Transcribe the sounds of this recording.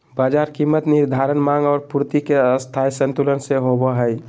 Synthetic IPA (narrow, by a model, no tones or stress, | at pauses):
bad͡ʒaɾkimːət̪niɾd̪ʱaɾənmãŋɡɔːɾpuɾt̪ikeəst̪ʰajsə̃nt̪ulənseɦobɔɦəj